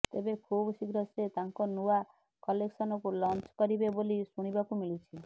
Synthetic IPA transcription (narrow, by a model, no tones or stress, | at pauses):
t̪ebekʰubsiɡɾɔset̪aŋkɔnua | kɔleksɔnɔkulɔnt͡ʃkɔɾibebolisuɽ̃ibakumilit͡ʃʰi